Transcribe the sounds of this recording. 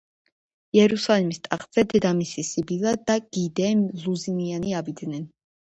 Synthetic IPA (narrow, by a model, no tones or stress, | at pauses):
iɛɾusalimist̪ʼaq̪ʼz̥ɛd̪ɛd̪amisisibilad̪aɡ̥id̪ɛmluzinianiavid̪nɛn